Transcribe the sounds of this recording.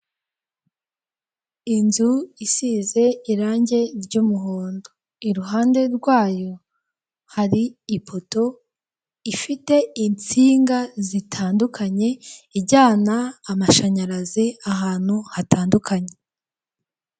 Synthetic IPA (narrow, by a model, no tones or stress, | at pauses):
inzuisiːze̞iɾaːɲɟe̞ɾɟumuɦoːndo | iɾuɦaːnde̞ɾɡwaːjo̞ | haɾiipʰo̞to̞ | ifite̞int͡siːŋɡazitʰaːndukʰaɲe̞iɟaːnaːmaʃaɲaɾaziaɦaːn̥huhataːndukʰaɲe̞